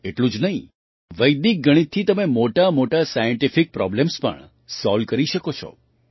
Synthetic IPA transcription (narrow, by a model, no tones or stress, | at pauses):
eʈlũd͡ʒnəɦĩ | ʋəjd̪ik̚ɡəɽ̃it̪ʰːit̪əmemoʈamoʈasajəɳʈifik̚pɾɔ̰blemspə̰ɳ | sɔlkəɾiʃəkot͡ʃʰɔ̰